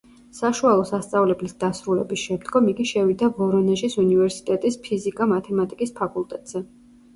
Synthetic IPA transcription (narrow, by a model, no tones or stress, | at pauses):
saʃualˠɔsast̪sʼavlɛblisd̪̥asɾulɛ̰bisʃɛmd̪ɡɔmiɡiʃɛvid̪avɔɾɔnɛʒisunivɛɾsi̥t̪ʼɛt̪ʼispʰizikʼamat̪ʰɛmat̪ʼikʼispʰakʼulˠt̪ʼɛt̪ʼz̥ɛ